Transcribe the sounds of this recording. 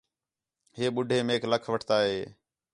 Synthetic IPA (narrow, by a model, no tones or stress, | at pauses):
ɦeːɓʊɖʱeːmeːkləkʰʋəʈʰt̪aːɦeː